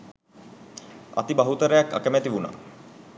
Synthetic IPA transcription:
a̰t̪ibaɦut̪əɾəjakːa̰kəmæt̪iʋuna̰ː

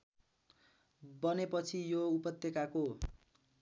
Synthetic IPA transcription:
bʌnepʌt͡sʰijoupʌt̪jekako

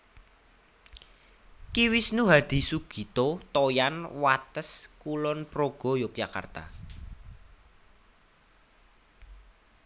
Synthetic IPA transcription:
kiwɪsnuɦad̪̥i̤suɡ̥i̤t̪ot̪ojanwat̪əskulɔnpɾoɡ̥ɔ̤jɔk̚d͡ʒaka̰rt̪a̰

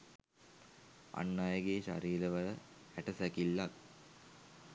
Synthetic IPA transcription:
a̰nːajəɡeːɕa̰ɾiːləʋɐlə | æʈəsækilːak̚

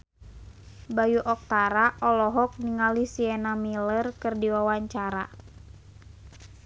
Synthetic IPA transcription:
bajuʔɔk̚t̪aɾaʔɔlɔɦɔk̚niŋalisiɛnamilərkɨrdiwawaɲt͡ʃaɾa̰

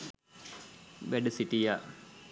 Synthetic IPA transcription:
ʋæɖəsiʈija

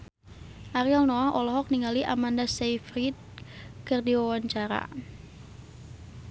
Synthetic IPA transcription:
ʔaɾiɔlnɔaʔɔlɔɦɔk̚niŋaliʔa̰mandasejfɾit̪̚kərdiwawaɲt͡ʃaɾa̰

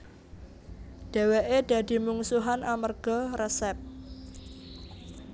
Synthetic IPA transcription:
ɖ̥e̤weʔed̥ä̤d̥i̤muŋsuɦanamərɡ̥ɔrɛsɛp̚

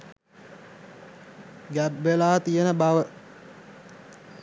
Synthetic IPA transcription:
ɡæbːelaːt̪ijənəbaʋə

